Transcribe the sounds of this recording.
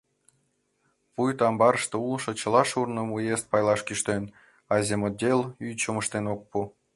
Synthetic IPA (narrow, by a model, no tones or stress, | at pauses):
pujt̪ɑmbɑɾəʃt̪eulʃɤ̆t͡ɕə̆lɑʃurnəmujest̪̚pɑjlˠɑʃkiʃt̪en | ɑzʲemod̪ʲelyt͡ɕəməʃt̪enok̚pu